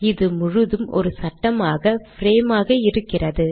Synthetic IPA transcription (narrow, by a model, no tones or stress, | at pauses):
ɪðɯmʊɻɯðɯmɔ̰ɾɯsɐʈːɐmaːɣɐfɪɾeːmaːɣɐɪɾɯkːɪrɐðɯ